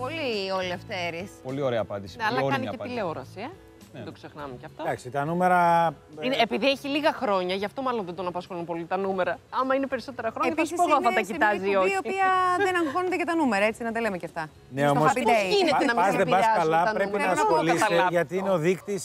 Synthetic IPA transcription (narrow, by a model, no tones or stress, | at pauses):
polioleft̪eɾispo̞lio̞ɾeɐːpɐnd̪isneɐlɐkɐnieileoɾɐsie | d̪okse̞xnɐmeceɐft̪od̪ɐksit̪ɐnume̞ɾɐineːpiðieçiliɣɐxɾo̞ɲɐʝɐft̪o̞mɐlo̞nðed̪o̞nɐpɐsxo̞lunpo̞lit̪ɐnume̞ɾɐɐmɐine̞pe̞ɾiso̞t̪e̞ɾɐxɾo̞ɲɐsspoɣoθɐt̪ɐcit̪ɐziooiiɐðenɐŋxoned̪ecɐt̪ɐnumeɾɐet͡sinɐd̪ɐlemecɐft̪ɐ | neoɐmopioineenɐmizðebɐsɐlɐɐnpɾepinɐolisɐeʝɐt̪iineoðikt̪is